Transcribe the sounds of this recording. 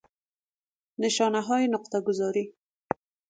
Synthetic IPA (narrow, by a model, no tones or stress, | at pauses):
nɪʃɑnaɦɑjenʊq̚t̪aɡʊzɑɾi